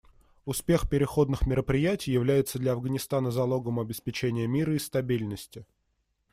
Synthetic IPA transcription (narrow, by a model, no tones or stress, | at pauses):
ʊspʲe̞xpʲɪɾʲɪxo̞d̪nɨxmʲɪɾəpɾʲɪjætʲɪjːɪvlʲæjɪt̪səd̪lʲɐɐvɡənʲɪst̪anəzɐlˠo̞ɡəmɐbʲɪspʲɪt͡ɕenʲɪjəmʲiɾəɪst̪ɐbʲilʲnəsʲtʲɪ